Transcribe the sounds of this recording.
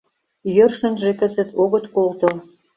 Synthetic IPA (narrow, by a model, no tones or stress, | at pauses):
jørʃə̆nʒekə̆zə̆t̪oɣə̆t̪kolt̪o